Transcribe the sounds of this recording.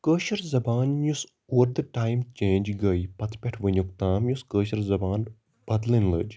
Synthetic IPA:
kəːʃɐɾzɐbaːnjus | uʋəɾd̪ɨʈaːjmt͡ʃẽːnʲd͡ʒɡɐipɐt̪ʰpʲɛʈʰʋɨnʲukt̪aːmjuskəːʃɐɾzɐbaːn | b̥ɐd̪linlə̰d͡ʒ

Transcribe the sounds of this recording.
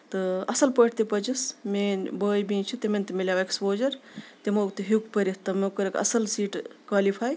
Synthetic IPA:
t̪ɨɐsɐlpəʈʰt̪ipɐd͡ʒismeːnbəːjbĩːt͡ʃʰit̪emenʲt̪imilʲaʋekspoːd͡ʒɐɾt̪emɐkt̪iɦukpɐɾit̪ɐmekɐɾekɐ̰sɐlsiːʈkwaːlipʰaːj

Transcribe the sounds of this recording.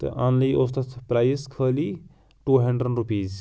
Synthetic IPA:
t̪ɨ̰ʔãnliʔost̪ɐspɾaːjskʰəːliː | ʈuːɦɐɳɖɾəɖɾupiːz

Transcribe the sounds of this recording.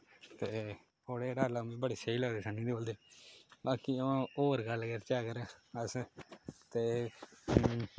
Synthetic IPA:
t̪eː | oːɽeːɖaːlamĩːbəɽiːsəiːləɡd̪eːsəniːd̪iboːld̪eːbaːkiãoːəɾɡəlɡeɾt͡ʃaːkəɾeːəs | t̪eː

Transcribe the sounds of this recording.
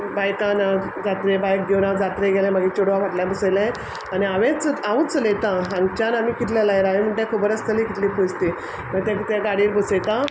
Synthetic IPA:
bajkan | d͡zat̪ɾebajk̚d̪enãd͡zat̪ɾeɡelẽməɡiːt͡ɕoɽʋaʋaʈljãbəselẽ | aniaʋẽt͡saʋut͡slet̪ãɦãŋɡt͡ɕanamiːkit̪lalajɾaʋim̤əɳʈẽkʰubəɾəsk̪ʰəliːkit̪liːpust̪i | məɡt̪ẽkit̪eɡaɽiːɾbəset̪ã

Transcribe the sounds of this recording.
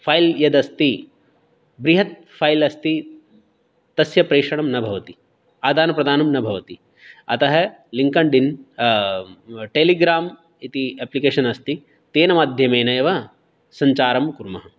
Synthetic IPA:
pʰaːjljɐd̪ɐst̪i | bɾiɦɐt̪̚ | pʰaːjlɐst̪i | t̪ɐsjɐpɾeːʂɐɳ̃ɐmnɐbʱɐʋɐt̪i | aːd̪aːnɐpɾɐd̪ʱaːnɐmnɐbʱɐʋɐt̪i | ɐ̰t̪ɐɦɐ | liŋkɐɳɖin | ʈeːliɡɾaːm | it̪ieːplikeːʃɐnɐst̪i | t̪eːnɐmaːd̪ʱjɐmeːnɐjɐʋɐ | sɐɲt͡ʃaːɾɐmkuɾmɐɦɐ

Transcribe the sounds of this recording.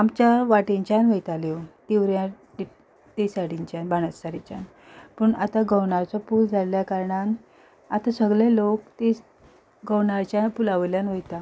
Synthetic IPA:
amt͡ɕjaʋaʈeɲt͡ɕanʋejt̪aljoʈ̪iʋɾjãʈi | t̪esaɽiɲt͡ɕanbaɽ̃əsːaɾit͡ɕja̰n | pəɳat̪aɡəwɳaɾt͡sɔpuːld͡zʱaljakaɾɳan | at̪asəɡɭelokt̪e | ɡəwɳaɾt͡ɕjapulaʋljanʋəjt̪a

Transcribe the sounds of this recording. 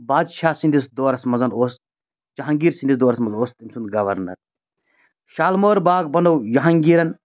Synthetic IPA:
baːd̪ʃʰaːsĩnd̪isd̪oːɾɐsmɐzɐnoːst̪ | t͡ʃɐɦɐ̃ŋɡiːɾsind̪isd̪oːɾɐsmɐzɐnoːst̪imsund̪ɡɐʋɐɾnɐ̰ɾ | ʃaːlmoːɾbaːɡbɐnd̪ɐwjɐɦɐŋɡiːɾɐn

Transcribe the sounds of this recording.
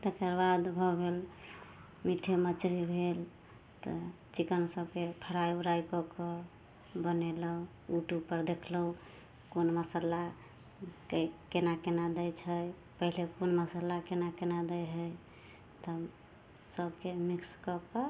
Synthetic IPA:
t̪ekəɾbad̪bʱɔbʱel | miʈʰemət͡ʃɾibʱel | t̪ɔ̰ | t͡ʃikənsəbkepʰəɾajuɾajkɔkɔ | bənelɔ | uʈupəɾd̪ekʰlɔu | konməsəla | kkenakenad̪əjt͡ʃʰəj | pəɦilekonməsəlakenakenad̪əjɦəj | t̪ | səbkemikskɔkɔ

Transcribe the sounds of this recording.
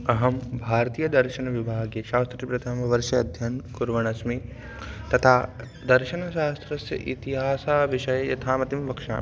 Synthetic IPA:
ɐɦɐmbʱaːɾɐt̪iːjɐd̪ɐɾʃɐnɐʋibʱaːɡjeʃaːst̪ɾipɾɐt̪ʰɐmʋɐɾʃɐːd̪ʱjɐnkuɾʋɐɳ̃ɐsmi | t̪ɐt̪ʰaː | d̪ɐɾʃɐnɐʃaːst̪ʰɾɐsjɐ̰ʔḭt̪iɦaːsaːʋiʃɐjjɐ̰t̪ʰaːmɐt̪imʋɐkʃa̰ː

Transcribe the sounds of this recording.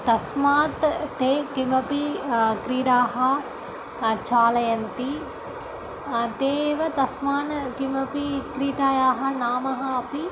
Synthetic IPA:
t̪ɐsmaːt̪ːeːkimɐpikɾiːɽaːɦɐ | t͡ʃaːlɐjɐnt̪i | t̪eːʋɐt̪ɐsmaːnkimɐpikɾiːʈaːjaːɦɐnaːmɐɦɐɐpi

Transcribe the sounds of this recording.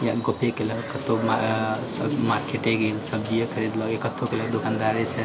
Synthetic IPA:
jaɡopʰekeləɡkət̪omasmaɾkeʈɛɡelsəbd͡ʒijəkʰəɾid̪lɔɡjakət̪okeləɡd̪okand̪aɾesə

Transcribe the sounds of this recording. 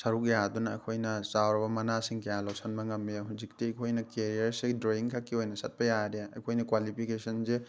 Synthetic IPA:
sɐɾukjadunɐ̰kʰojnɐsawɾɐbɐmɐnasiŋkejalosɐnbɐŋɐmiɦuzik̚tiɐjkʰojnɐkeɾiɐɾsedɾoiŋkʰakːiojnɐsɐt̚pɐjadeɐ̰jkʰojnɐkwalipʰikesɐnze

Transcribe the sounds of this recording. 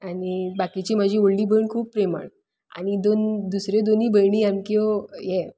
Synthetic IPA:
anibakit͡ɕim̤əd͡ʑʱĩoɭliːbʱəɳkʰuːpːɾema̰ɳ | a̰ñid̪ond̪usɾed̪oniːbəjɽiamkiɔje

